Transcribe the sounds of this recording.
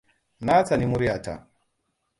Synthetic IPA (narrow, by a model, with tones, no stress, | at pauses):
na˦t͡sa˨ni˦mu˦ɾja˨ta̰˨